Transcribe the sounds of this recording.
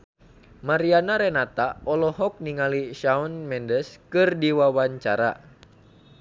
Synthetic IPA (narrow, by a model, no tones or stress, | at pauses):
maɾianaɾɛnat̪aɔlɔɦɔk̚niŋaliʃaɔnmɛndəskɨrdiwawaɲt͡ʃaɾa̰